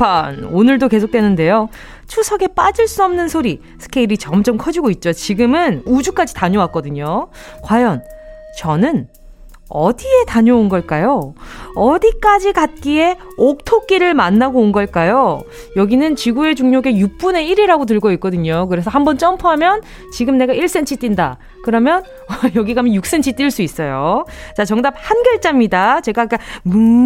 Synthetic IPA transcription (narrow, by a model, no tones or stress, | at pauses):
anonɯɭdoke̞sʰok̚t͈we̞nɯnde̞jo | t͡ɕʰusʰʌɡe̞p͈ad͡ʑɯɭs͈uʌmnɯnsʰoɾi | sʰɯ̥kʰeiɾit͡ɕʌmt͡ɕʌmkʰʌd͡ʑiɡoit̚t͡ɕ͈ot͡ɕiɡɯmɯnud͡ʑuk͈ad͡ʑitaɲowak͈ʌdɯɲokwajʌn | t͡ɕʌnɯn | ʌdie̞taɲounɡʌɭk͈ajoʌdik͈ad͡ʑikat̚k͈ie̞ | ok̚tʰok͈iɾɯɭmanːaɡoːnɡʌɭk͈ajo | jʌɡinɯnt͡ɕiɡue̞t͡ɕuŋɲoɡe̞juk̚p͈une̞iɾiɾaɡot̬ɯɭɡoik͈̚ʌdɯɲokɯɾe̞s̬ʰʌhambʌnt͡ɕ͈ʌmpʰuɦamjʌn | t͡ɕiɡɯmne̞ɡaiɭs͈e̞nt͡ɕʰit͈inda̰ | kɯɾʌmjʌn | ʌjʌɡiɡaɦamjʌnjuk̚s͈e̞nt͡ɕʰit͈iɭs͈uis͈ʌjot͡ɕat͡ɕʌŋdap̚hanɡjʌɭt͡ɕ͈amɲidat͡ɕe̞ɡak͈amu